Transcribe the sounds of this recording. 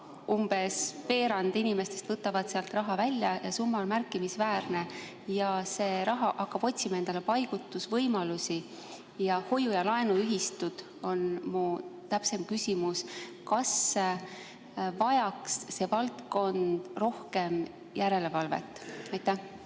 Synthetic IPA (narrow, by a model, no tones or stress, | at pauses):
umb̥e̞spe̞ːɾɑnd̪̥inime̞st̪e̞st̪v̥ɤt̪ːˑɑvɑd̪̥seɑlt̪rɑɦɑvælʲːjɑjɑsumːɑonmærkːˑimisvæːɾne̞ | jɑse̞ːɾɑɦɑʔɑkːɑb̥o̞t̪ʲsimɑend̪ɑle̞pɑjɡ̥ut̪ːˑusvɤjmɑlusi | jɑho̞jujɑlɑe̞nuyɦist̪ud̪̥ | o̞nmut̪æpse̞mkysʲimuskɑs | vɑjɑksːe̞ːvɑlt̪ko̞nd̪̥ro̞hke̞m | jʔæɾe̞le̞vɑlve̞̰t̪ːˑɑjt̪ːæh